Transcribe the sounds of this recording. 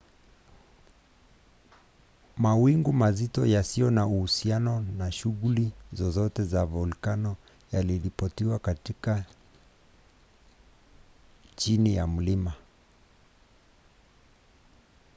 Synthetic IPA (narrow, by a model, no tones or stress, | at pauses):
mawiŋɡumazitɔjasijɔnauhusianɔnaʃuɣulizɔzɔtɛzavɔlkanɔ | jaliɾipɔtiwakatika | t͡ʃinijam̩lima